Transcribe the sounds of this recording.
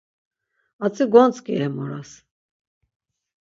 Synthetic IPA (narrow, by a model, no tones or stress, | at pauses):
at͡sʰʼiɡɔnt͡sʼkʼiɛmɔɾas